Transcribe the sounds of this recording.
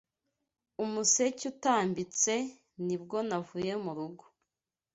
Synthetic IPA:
umuse̞cutaːmbit͡se̞ | nibɡo̞navuːje̞muɾuɡo̥

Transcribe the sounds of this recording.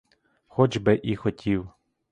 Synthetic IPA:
xɔd͡ʒbɪʔixɔtʲʰiw

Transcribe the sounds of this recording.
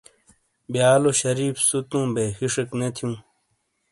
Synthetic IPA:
bjaːloɕɐɾiːfsut̪ũːbeːxiʂeknet̪ʰijũː

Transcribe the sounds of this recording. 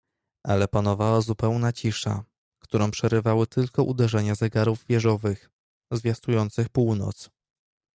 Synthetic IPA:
ʔalɛpanɔvawazupɛwnat͡ɕiʂa̰ | kt̪uɾɔ̃w̃pʂɛɾɘvawɘt̪ɘlkɔʔud̪ɛʐɛɲazɛɡaɾuvvʲjɛʐɔvɘx | zvʲjast̪ujɔnt̪sɘxpuwnɔ̰t̪s

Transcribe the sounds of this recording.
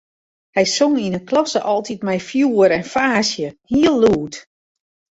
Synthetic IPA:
hɛjsoŋinəklɔsəʔɔlˠtit̚mɛjfjuːəɾɛnfaːsjəhiəlˠːuːt

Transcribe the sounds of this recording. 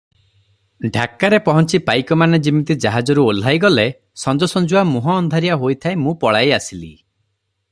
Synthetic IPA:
ɖʱakːaɾepɔɦɔnt͡ʃipajkɔmaned͡ʒimit̪id͡ʒaɦad͡ʒɔɾuol̤ajɡɔle | sɔnd͡ʒɔsɔnd͡ʒuamuɦɔːnd̪ʱaɾijaɦojt̪ʰaemũpɔɭajasilḭ

